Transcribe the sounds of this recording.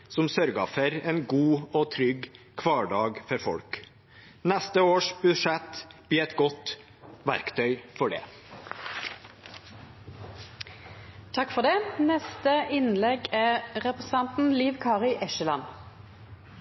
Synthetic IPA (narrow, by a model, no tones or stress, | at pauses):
sɔmsœɾɡəfœɾeːnɡuːoːt̪ʰɾʏɡ | kʰʋɑːɖɑːɡfɔɾfɔ̰lk | nɛst̪əoːʂbʉʂɛt̪b̥iːɛt̪ɡɔt̪ | ʋæ̰ɾkt̪ʰœʏfɔɖḛː | t̪ʰɑkfɔd̪eːnɛst̪əɪnlɛɡæʁɛpʁɛsɑnt̪n̩liːʋkʰɑːʁɪʔɛʃəlɑn